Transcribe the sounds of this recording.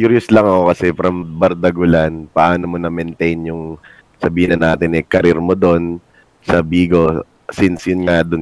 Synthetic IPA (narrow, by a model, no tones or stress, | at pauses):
kuɾjoslɐŋɐko̞kɐsɛfɾɐmbɐɾd̪ɐɡʊlanpɐʔaːnomonɐmɛnt̪ɛjnjʊŋ | sɐbiːɪnɐnaːt̪ɪnʔɛkɐɾɪɾmod̪on | sɐbiːɡo̞ | sinsjʊnŋad̪ʊn